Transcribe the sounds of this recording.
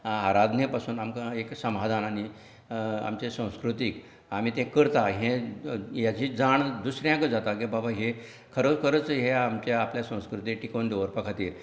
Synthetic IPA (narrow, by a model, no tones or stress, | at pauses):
aɾad̪ʱnepasuːnamkaeksəmad̪ʱanaɽ̃i | a̰mt͡ɕesə̃w̃skɾut̪iːk | am̤it̪ẽkəɾt̪aɦẽjat͡ɕiːd͡zaɳd̪usɾjãkəd͡zat̪akẽbʱabʱaɦe | kʰəɾət͡skʰəɾət͡sɦeamt͡ɕjaapljasə̃w̃skɾut̪ikʈikond̪eʋəɾpəkʰat̪iːɾ